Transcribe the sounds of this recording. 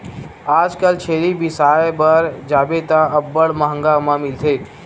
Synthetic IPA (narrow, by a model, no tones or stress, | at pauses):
aːd͡ʒkəlt͡ʃʰeːlibɪsaːjbəɾd͡ʒaːbet̪aəbːəɽməɦə̃ŋɡamãmɪlt̪ʰeː